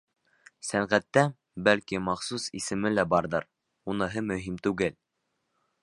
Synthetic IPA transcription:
sæŋʁæt̪ːæ | bælkimɑχsusḭsɘ̆mɘlæbɑɾðɤɾ | unɤ̆ɦɤmɵ̆ɦimt̪ʉɡɘl

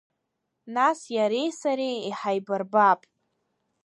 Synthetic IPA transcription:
nasjaɾe̞jsaɾejiħajbarbapʼ

